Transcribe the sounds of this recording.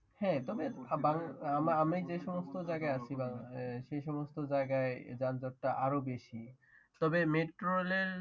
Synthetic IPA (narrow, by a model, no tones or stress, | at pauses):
hɛ̃t̪ɔbebaŋamaamejd͡ʑeʃɔmost̪od͡ʑaeɡaeat͡ɕʰibaŋʃejʃɔmost̪od͡ʑaeɡaed͡ʑand͡ʑɔʈ̚ʈaʔaɾobeʃi | t̪ɔbemeʈɾoleɾ